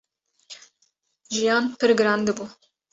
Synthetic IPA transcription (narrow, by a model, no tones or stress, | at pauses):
ʒijɑːnpɨɾɡɨɾɑːnd̪ɨbu